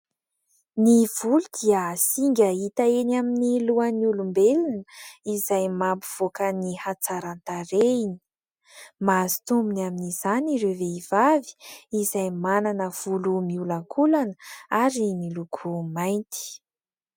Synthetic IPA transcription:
niv̥ulud̪iəsiŋɡʲait̪aenaminiluanulumbelinəizajmambuv̥okənihat͡saɾant̪aɾeini̥ | mazi̥t̪umbinaminiz̥aniɾeveiv̥avi̥izajmananəv̥ulumiulaŋkʰulanəaɾimilukʰumajnt̪i̥

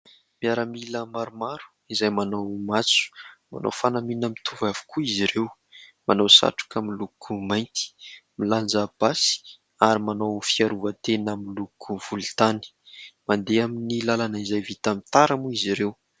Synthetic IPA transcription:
miaɾəmiləmaɾumaɾu̥ | izajmanowmat͡su̥ma̰no̰wfanaminəmit̪ʰuvavu̥kuiziɾew | manawsa̰ʈ͡ʂu̥kamilukʰumajnt̪i̥miland͡zab̥asi̥ | aɾimanowfiaɾuvət̪enamilukʰuv̥ult̪ani̥mand̪eaminilalanəizajvit̪amit̪aɾamuiziɾew

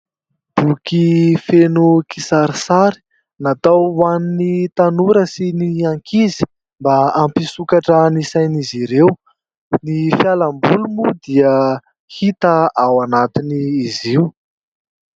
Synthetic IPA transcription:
b̥ukifenukisaɾisaɾi̥ | nat̪awaninit̪anuɾəsiniaŋkʰizi̥ | mbaampisukaʈ͡ʂənisajniziɾew | nifjalambulumud̪iə | hit̪əawanat̪iniːziw

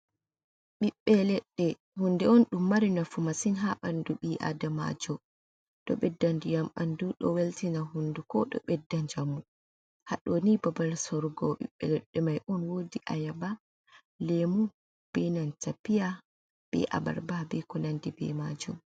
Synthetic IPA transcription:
ɓiɓːɛlɛɗːɛ | hundɛɔnɗumːaɾinafumasinɦaʔanduɓiʔa̰dama̰d͡ʒɔ | ɗɔ̰ɓɛdːandujamʔanduɗɔ̰weltinaɦundukɔɗɔ̰ɓɛdːaɲd͡ʒamu | haɗɔnibabalsɔɾɡɔɓḭɓːɛlɛɗːɛmajʔɔnwodiʔa̰jaba | lemu | b̥ɛnantapija | b̥ɛ̰ʔa̰ba̰ɾbabɛkɔnandibɛ̰mad͡ʒṵm

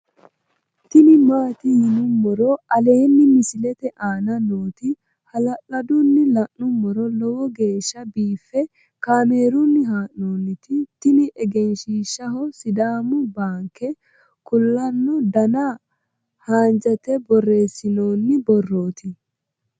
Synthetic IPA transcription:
t̪ɪnɪmaːt̪ɪjɪnʊmːɔɾɔɐle̞ːnːɪmɪsɪlɛt̪ɛʔaːnɐnoːt̪ɪ | hɐlɐʔɐd̪ʊnːɪlɐʔːʊmːɔɾɔlɔwɔɡe̞ːʃːɐbiːfːɛ | kaːme̞ːɾʊnːɪɦaːʔnoːnːɪt̪ɪt̪ɪnɪʔɛɡɛnʃiːʃːɐhɔsɪd̪aːmʊbaːŋkːɛ | kʊlːɐnːɔd̪ɐna | haːnd͡ʒɐt̪ɛbɔrːe̞ːsːɪno̞ːnːɪbɔrːoːt̪ɪ

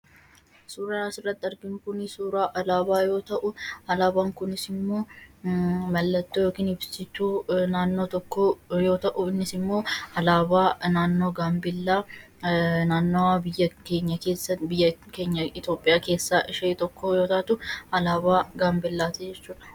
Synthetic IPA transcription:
suːɾanasɪrːɐt̪ʼːɐɾɡɪŋkʊnɪsuːɾaːʔɐlaːbaːjo̞ːt̪ɐʔʊɐlaːbaːŋkʊnɪsɪmːo̞ː | mɐlːɐt̪ːojoːkiːnhɪbsɪt̪uːnaːnːo̞ːt̪ɔkːoːjo̞ːt̪ɐʔʊɪnːɪsɪmːo̞ːɐlaːbaːnaːnːo̞ːɡaːmbɪlːaː | naːnːɔwabɪjːɐke̞ːɲːɐke̞ːsːɐbɪjːɐke̞ːɲːɐɪt̪jo̞ːpʼːɪjaːke̞ːsːaːʔɪʃɐt̪ɔkʰːoːjo̞ːt̪ɐt̪ʊɐlaːbaːɡaːmbɪlːaːt̪ɛd͡ʒɛt͡ʃːuːᶑ̪ɐ̥

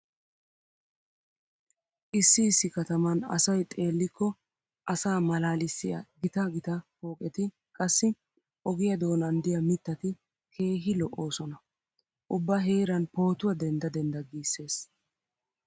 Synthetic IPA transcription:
ʔɪsːɪːsːɪkɐt̪ɐmɐnɐ̰sɐjt̪ʼe̞ːlːɪkːɔ | ʔɐsaːmɐlaːlɪsːɪjɐ̰ɡɪt̪ɐɡɪt̪ɐfo̞ːkʼɛt̪ɪ | kʼɐsːɪ | ʔɔɡɪjɐd̪o̞ːnɐnd̪ɪjɐmɪt̪ːɐt̪ɪ | kʰe̞ːɦɪlɔʔo̞ːsɔnɐ | ʔʊbːɐɦe̞ːɾɐnpo̞ːt̪ʊwɐd̪ɛnd̪ɐd̪ɛnd̪ɐɡiːsːe̞ːs

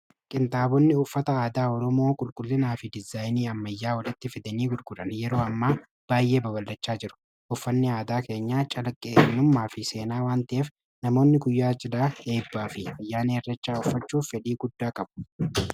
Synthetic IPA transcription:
kʼɪnt̪aːbɔnːɪʊfːɐt̪ɐaːd̪aːɔɾɔmo̞ːkʼʊlkʼʊlːɪnaːfɪd̪ɪzaːjniːɐmːɐjːaːwɐlɪt̪ːɪfɪd̪ɐniːɡʊlɡʊᶑɐnjɛɾo̞ːɐmːaː | b̥aːjʔe̞ːbɐbɐlːɐt͡ʃːaːd͡ʒɪɾʊ̥ | ʔʊfːɐnːɪaːd̪aːke̞ːɲːaːt͡ʃʼɐlɐkʼːeːnːʊmːaːfɪse̞ːnaːwaːnt̪ɐʔeːf | nɐmo̞ːnːɪɡʊjːaːt͡ʃʼɪd̪aːe̞ːbːaːfɪfɐjːaːneːɛrːɐt͡ʃːaːʊfːɐt͡ʃːuːfːɛᶑ̪iːɡʊd̪ːaːkʼɐbʊ̥

